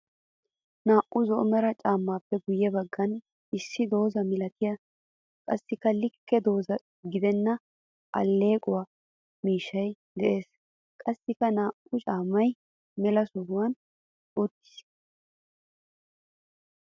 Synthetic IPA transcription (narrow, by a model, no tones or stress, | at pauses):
naːʔʔʊzɔʔmɛɾɐt͡ʃʼaːmːaːpːɛɡʊjːɛbɐɡːɐn | ɪsːɪd̪o̞ːzɐmɪlɐt̪ɪjɐ | kʼɐsːɪkːɐlɪkːɛd̪o̞ːzɐ | ɡɪd̪ɛnːɐ | ʔɐ̰lːe̞ːkʼʊwaː | miːʃːɐjd̪ɛʔe̞ːs | kʼɐsːɪkɐnaːʔʊt͡ʃʼaːmːɐj | mɛlɐsʊɾʊwɐn | ɔt̪ːɪ̥s